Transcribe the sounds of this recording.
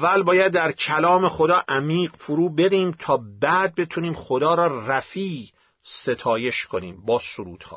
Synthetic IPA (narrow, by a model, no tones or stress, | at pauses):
vːælbɒːjæd̪ːæɾcʰælɒːmexo̞d̪ɒːʔæmiːɢfoɾuːbed̪iːmt̪ʰɒːbæːd̪̚be̞t̪ʰuniːmχod̪ɒːɾɒːræfiː | se̞t̪ʰɒːje̞ʃkʰonḭːmbɒːsoɾṵːd̪̥hɒ̰ː